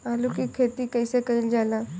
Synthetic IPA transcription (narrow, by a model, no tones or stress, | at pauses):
alukiːkʰet̪iːkəjsekəiːld͡zala